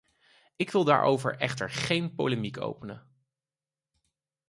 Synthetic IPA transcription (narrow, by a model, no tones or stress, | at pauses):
ɪkʋɪlˠda̰ːɹʔo̰wvə̰ɹʔɛχtə̰ɹχejnpowləmikʰo̰wpənə̰